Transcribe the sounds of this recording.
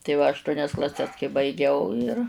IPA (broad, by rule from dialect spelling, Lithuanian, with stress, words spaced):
tɐɪ ˈʋɐ ɐʃˈtuɔnʲɛs klˠɐˈsʲɛs kɐɪ bɐɪˈɡʲɛʊ ɪr